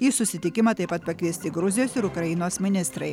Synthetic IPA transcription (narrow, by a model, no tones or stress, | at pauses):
jiːsʊsʲɪt̪ʲɪkʲɪmɐt̪ɐɪpɐt̪̚pɐkʲʋʲiːsʲt̪ʲɪɡɾʊzʲɪjoːsɪɾʊkɾɐɪnoːsmʲɪnʲɪst̪ɾɐɪ